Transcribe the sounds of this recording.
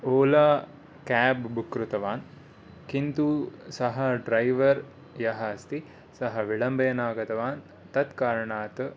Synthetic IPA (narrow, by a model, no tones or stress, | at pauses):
oːlaː | kæːbbukɾut̪ɐʋaːn | kint̪uːsɐɦɐɖɾɐjʋɐɾ | jɐɦɐːst̪i | sɐɦɐʋiɭɐmbejɐnaːɡɐt̪ɐʋaːn | t̪ɐt̪kaːɾɐɳaːt̪ə